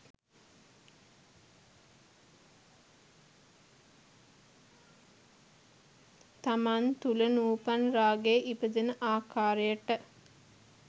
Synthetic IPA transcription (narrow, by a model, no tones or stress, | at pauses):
t̪amant̪ulənuːpanraːɡeʔipəd̪enəʔaːkaːɾəjəʈə